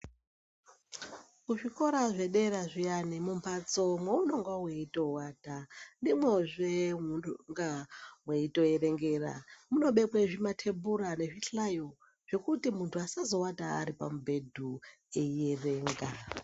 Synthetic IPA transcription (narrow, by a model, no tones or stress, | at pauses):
kuʐiko̞ɾaʐe̞ɗe̞ɾaʐijanimumpʰat͡so̞mweuno̞ŋɡwawe̞ito̞watandimwo̞ʐemuntʰuŋɡamweito̞eɾe̞ŋɡe̞ːra̰muno̞ɓe̞kweʐimatʰe̞mbuɾane̞ʐiɬajo | ʐ̥e̞kutimuntʰuasazo̞wata̰ːɾipamubʱe̞dʱu | e̞je̞re̞ːŋɡa